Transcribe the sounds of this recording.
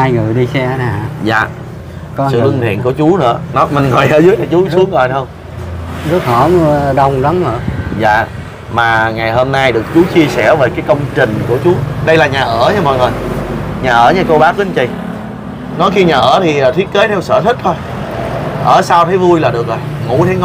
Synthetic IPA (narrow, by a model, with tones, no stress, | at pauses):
haː˧jŋɨ˨˩əjɗi˧sɛ˧naː˨˩za̰ː˧˨˦ | sɨ̰˧˨lɨ˧ŋt̪ʰḭ˧˨ənku˧˩ət͡ɕu˨˦nɨ̰˧˥ənɔ˨˦mï˨˩ŋŋɔ˨˩jʔəː˧˩zɨ˨˦əɲaː˨˩t͡ɕu˨˦su˦əŋzɔ˨˩jt̪ə˧wŋ͡m | zə˦˥t̚hɔ˧˩m˧ɗə˧wŋ͡mla˨˦mə˧˩˦za̰ː˧˨ | maː˨˩ŋa˨˩jɦo˧mnaː˧jɗɨ˨˩ək̚t͡ɕu˨˦t͡ɕi˧əsɛ˧˩ve˨˩kaː˨˦jkə˧wŋ͡mt͡ɕï˨˩ŋ̟ku˧˩ət͡ɕu˨˦ɗə˧jlaː˨˩ɲaː˨˩ʔəː˧˩ɲaː˧mə˨˩jŋɔ˨˩jɲaː˨˩ʔəː˧˩˦ɲaː˧˩ko˧wɓaː˦˥i˨˦nt͡ɕi˧˩j | nɔ˨˦jxi˧ɲaː˨˩ʔəː˧˩t̪ʰi˨˩ʔːt̪ʰwi˦˥t̚ke˨˦jt̪ʰɛ˧wsə̰ː˧˩t̪ʰï˦˥k̚t̪ʰo˧j | ʔəː˧˩saː˧wt̪ʰə˨˦jvu˧jlaː˨˩ɗɨ˨˩ək̚zo˨˩jŋṵ˧˩˥t̪ʰə˨˦jŋ˦